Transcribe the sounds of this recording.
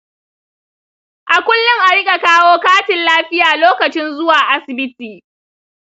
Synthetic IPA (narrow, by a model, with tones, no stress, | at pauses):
ʔa˨kʷʊ˦lːʊ˦ŋʔa˨ɽɪ˦kʲʼa˨kaː˦woː˦kaː˦tɪ˨nlaː˦ɸɪ˦jaː˨loː˦kɐ˨t͡ʃɪ˦nzʊ˦waː˨ʔa˦sɪ˨bɪ˦tiː˨